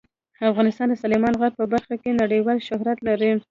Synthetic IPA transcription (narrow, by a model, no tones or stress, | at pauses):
afɣɑnɪst̪ɑnd̪əsɑlɪmɑnɣaɾ̚pəbaɾxakenaɽəjwɑlʃʊɦɾat̪laɾi